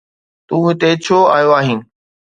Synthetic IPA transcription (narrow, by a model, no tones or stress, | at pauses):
t̪ũːɦɪt̪et͡ɕʰoːa̰ːjoaːɦiːnɪ̆